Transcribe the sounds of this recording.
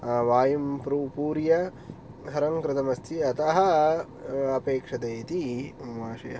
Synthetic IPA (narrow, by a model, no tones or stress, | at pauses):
ʋaːjɐmpɾuːpuːɾjɐ | ɦɐɾɐŋkɾɪt̪ɐmɐst̪ʰiɐt̪ɐɦɐ̆ | ɐpeːkʂɐd̪eːt̪imaːʃɐjɐ̰